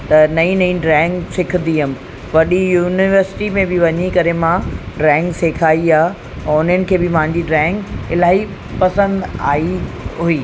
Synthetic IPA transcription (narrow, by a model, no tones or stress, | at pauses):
t̪ɐnɐĩnɐĩɖɾɛ̃ːŋɡsɪk̪ʰd̪iːəm | ʋɐɗijuːnɪʋəɾsɪ̥ʈimẽbɪʋɐɲikɐɾemãɖɾɛ̃ːŋɡseːkʰaːiaː | ɛ̃ʊn̤ənɪ̆kʰeːbɪmãɦɪ̃ɲd͡ʑiɖɾɛ̃ːŋɡɪlaːɦi | pɐsə̃nd̪a̰ːiɦuiː